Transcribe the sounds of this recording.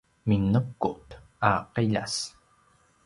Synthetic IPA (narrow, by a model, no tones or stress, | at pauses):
minəkːʊt̪ | aqeʎa̰s